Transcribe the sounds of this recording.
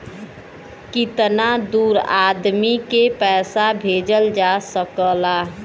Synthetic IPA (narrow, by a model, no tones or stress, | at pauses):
kit̪nad̪uːɾad̪mikepɛːsabʱeːd͡ʒəld͡ʒasəkəlaː